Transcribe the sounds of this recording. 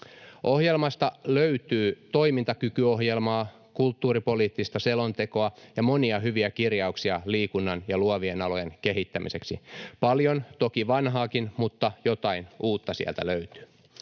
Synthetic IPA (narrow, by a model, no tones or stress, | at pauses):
ʔo̞hjelmɑst̪ɑløyt̪yːt̪o̞imint̪ɑkykyo̞ɦjelmɑː | kult̪ːuːɾipo̞liːt̪ːist̪ɑse̞lo̞nt̪e̞ko̞ɑjɑmo̞niɑɦyʋiækirjɑuksiɑliːkunːɑnjɑluoʋienɑlo̞jeŋke̞ɦit̪ːæmḭse̞ksḭpɑljont̪o̞kiʋɑnɦɑːkinmut̪ːɑjot̪ɑinʔuːt̪ːɑsḭæ̰lt̪æ̰løyt̪y̥